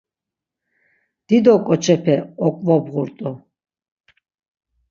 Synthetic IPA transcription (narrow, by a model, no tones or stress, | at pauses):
d̪̥id̪ɔkʼɔt͡ʃʰɛpʰɛɔkʼvɔbʁuɾt̪ʼu